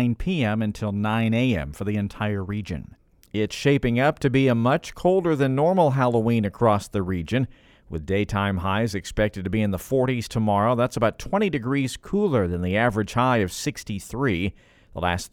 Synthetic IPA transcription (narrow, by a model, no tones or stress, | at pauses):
ɪ̃npʰiɛ̃mɨ̃ntʰɪlˠnãɪ̃neɪɛ̰̃ɱfə˞ðiɨ̃ntʰaɪə˞ɹid͡ʒɨ̰̃n | ɪtsʃeɪpɪ̃ŋʌp̚tʰɨbiɨmʌt͡ʃkʰoʊlˠdə˞ðɨ̃nːɔɹml̩ˠɦælˠowĩnɨkʰɹ̥ɔsðɨɹid͡ʒɨ̃n | wɨ̰ðdeɪtʰãɪ̃mɦaɪzɨkspɛk̚tɨd̚tɨbiɨ̃nðəfɔɹɾiz̥tʰəmɑɹoʊðætsəbaʊtʰw̥ɛ̃ɾ̃idɨɡɹiz̥kʰulˠə˞ðɨ̃nðiævɹɨd̥ʒ̥haɪʌv̥sɪkstiθɹi | ðə̰læ̰s